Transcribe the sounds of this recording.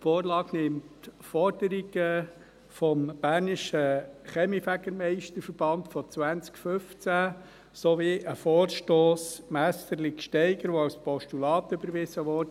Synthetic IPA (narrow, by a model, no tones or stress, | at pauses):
fɔːɾlɑːɡnɪmtfɔɾd̥əɾiɡə | fɔmb̥æːɾniʃəχɛmifæɡəɾmɛɪʃtəɾfəɾb̥ɑnt̪fɔt͡sʋænt͡skfʏft͡sæ | soʋiːʔəfɔːɾʃtoːsmæst̪əɾlɪkʃtɛɪɡəɾʋoɑspɔʃtulɑːt̪ʏbəɾʋɪzəʋɔd